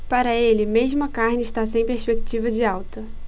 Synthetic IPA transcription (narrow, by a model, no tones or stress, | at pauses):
paɾɐelɪmeʒmʊɐkaɾnɪːʃt̪as̬ẽj̃pɾespek̚t͡ʃivɐd͡ʒɪawt̪ɐ